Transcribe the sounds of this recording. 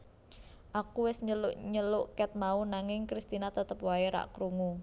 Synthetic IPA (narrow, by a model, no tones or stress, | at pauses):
ʔakuwɪsɲəlʊʔɲəlʊʔkɛt̪̚maunaŋɪŋkɾist̪inat̪ət̪əpwaeɾa̰ʔkɾuŋu